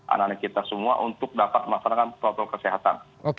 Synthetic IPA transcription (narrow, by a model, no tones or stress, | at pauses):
ʔa̰nanikit̪asəmua̰ʔunt̪ʊk̚dapat̪̚masanakanp̪ɾɔt̪ɔlkəsiɦat̪a̰n | o